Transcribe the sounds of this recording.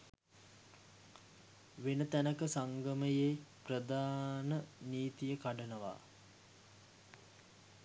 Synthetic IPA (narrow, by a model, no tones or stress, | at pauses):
ʋenət̪ænəkəsaŋɡəməjeːprəd̪aːnəniːt̪ijəkaɖənəʋa̰ː